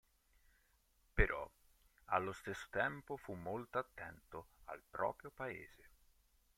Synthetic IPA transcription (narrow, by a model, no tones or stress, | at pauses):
peɾʔɔ̰ | a̰lːost̪esːo̥t̪ɛmpofumːolt̪oat̪ːɛnt̪oa̰lpɾɔ̰ːpɾjopaḛːz̥e